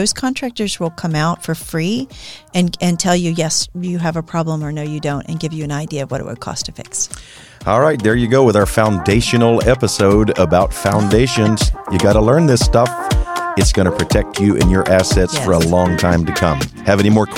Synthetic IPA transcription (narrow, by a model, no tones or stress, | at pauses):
oʊz̥kʰɑ̃ntʰɹ̥æk̚tə˞zwəlˠkʰʌ̃maʊtfə˞fɹiɨ̃nɨ̃ntʰɛlˠjɨjɛsjɨːvəpʰɹ̥ɑblə̃mə˞noʊjɨdõʊ̃ntɨ̰̃nɡɪvjɨɨ̃naɪdiɨʌvwʌ̰ɾɨ̰ʔ̚wə̰d̚kʰɔ̰stʰɨfɪ̰ks | ɔlˠɹaɪt̪̚ðə˞jɨɡoʊwəðaə˞fãʊ̃ndeɪʃɨnl̩ˠɛpəsoʊɾəbaʊtfãʊ̃ndeɪʃɨ̃nz̥jɨɡɑɾəlɜ̃˞nðɪstʌfɨtsɡ̥ʌñɨpʰɹ̥ɨtʰɛk̚t͡ʃɨʔɨ̰̃njə˞ʔæsɛtsfə˞əlɔ̃ŋtʰãɪ̃mtɨkʰʌ̰̃m | ɨvɛnimɔɹ